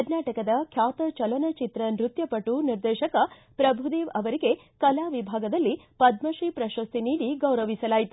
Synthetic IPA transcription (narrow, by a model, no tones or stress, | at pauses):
ɐɾnaːʈɐkɐd̪ɐkʰjaːt̪ɐt͡ʃɐlɐnɐt͡ʃit̪ɾɐnɾut̪jɐpɐʈːuniɾd̪ɛːʃɐkɐ | pɾɐbʱud̪eːʋɐʋɐɾiɡe̞ | kɐlaːʋibʱaːɡɐd̪ɐlːipɐd̪mɐʃipɾɐʃɐst̪ʰiniːɽiɡɐwɾɐʋisɐlaːjit̪u